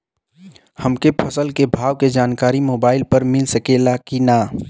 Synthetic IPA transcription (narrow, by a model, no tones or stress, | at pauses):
hɐmkepʰɐsəlkebʱaːʋked͡ʒaːnkaːɾimoːbaːɪlpɐɾmɪlsəkeːlakinaː